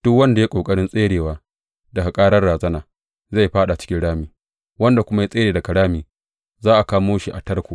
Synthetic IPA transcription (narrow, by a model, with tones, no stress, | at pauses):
d̥ʊ˦kwɐ˦nda˨ja˦kʷʼoː˨kʼɐ˦ɽɪ˦nsʼeː˦ɽeː˨waː˦ | da˨a˨kʼaː˦ɽɐ˦rɽaː˨zɐ˦naː˨ | za˦˨jɸaː˦ɗa˨t͡ʃɪ̥˦kʲɪ˦ɽaː˦miː˨ | wɐ˦nda˨kʷʊ˦ma˦ja˦sʼeː˦ɽeː˨da˨kɐ˨ɽaː˦miː˨ | zaː˦ʔa˨kaː˦moː˦ʃi˨ʔa̰˨tɐ˦rkʷoː˨